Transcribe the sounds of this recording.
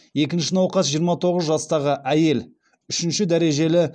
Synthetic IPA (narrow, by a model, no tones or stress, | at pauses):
je̞kʲɪnʃɪnɑwqɑsʒijəɾmɑt̪ʰo̞ʁəzʒɑst̪ɑʁəʔæje̞l | ʏʃɪnʃɪd̪æɾe̞ʒe̞lɪ